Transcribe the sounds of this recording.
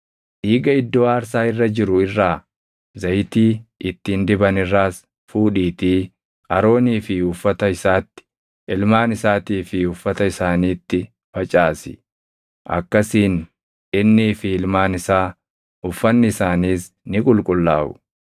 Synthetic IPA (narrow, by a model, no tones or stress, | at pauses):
ʔiːɡɐɪd̪ːo̞ːaːɾs̬aːɪrːɐd͡ʒɪɾʊɪrːaː | zɐjt̪iːʔɪt̪ːɪːnd̪ɪbɐnɪrːaːs | fuːᶑiːt̪iː | ɐɾo̞ːniːfɪʊfːɐt̪ɐɪsaːt̪ːɪ̥ | ɪlmaːnɪsaːt̪iːfɪʊfːɐt̪ɐɪsaːniːt̪ːɪ | fɐt͡ʃʼaːsɪ̥ | ʔɐ̰kːɐsiːn | ʔɪnːiːfɪɪlmaːnɪsaː | ʊfːɐnːɪɪsaːniːs | nɪkʼʊlkʼʊlːaːʔʊ̰